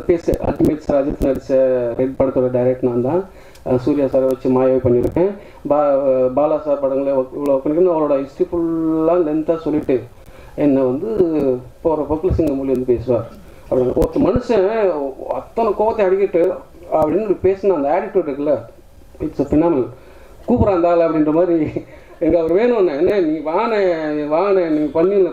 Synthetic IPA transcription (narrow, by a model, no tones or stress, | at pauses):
peːsɐ̰ʔɐ̰t̪ːimet̪sɾaːd͡ʒɐ̰t̪ːɪnɐɽɪsɐɾɛɖ̚pɐɽɯt̪ːɔɽɐɖɐɪɾɛk̚ʈnãːnt̪ãː | suːɾɪjaːsaːɾʋɐt͡ʃːɯmaːjaːʋipɐɳːɪɾɯ̰kːẽː | babaːlaːsaːɾpɐɽɐŋɡɐɭelɔkːɐnɪʈːnɐʋɐɭoːɽɐɪsʈipʊllːãːlɛnt̪ãːsɔlːɪʈːɯ | ɛnːɐʋɐnd̪ɯpoɾɐpɐpːlɐsɪŋɡɐmuːliʋɐnd̪ɯpeːsɯɾaːɾ | ɐpːɐɽɪnɐ̰ɔt̪ːɐmɐnɯsɐ̃ | ɐ̰t̪ːɐnɐkoːʋɐt̪ːẽɐɽɪkːɪʈːɯ | ɐpːɐɽɪnːpeːsɐnaːɐnd̪ɐaːɽɪʈːʋeːɖɪɾɯkːɐlːɐ | ɪʈɪsfɪnaːmɪnɐl | kuːpɐɾaːnd̪aːɣɐlɐpːɐɽɪndrɐmaːd̪ɾi | ɛŋɡɐɐʋɐɾʋeːnʊ̃ɐnːɐ̃ɛnːɐniːŋɡɐʋaːɐnɐʋaːŋɡɐnɐnːiːŋɡɐpɐnːilɐ